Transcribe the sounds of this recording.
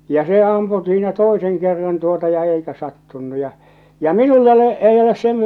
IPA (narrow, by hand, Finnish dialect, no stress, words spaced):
jɑ se ɑmpu siːnæ toeseŋ kerːɑn tuotɑ jɑ eikæ sɑtːunːu jɑ jɑ minulː ole ei oles sen